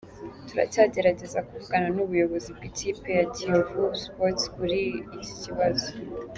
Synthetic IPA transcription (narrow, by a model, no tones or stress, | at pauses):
tuɾa̰taːɟe̞ɾaɟe̞zakuvuɡananuβujo̞βo̞zib̚ɡiciːpe̞jatiovuspotkuɾiːco̥ciβazo̥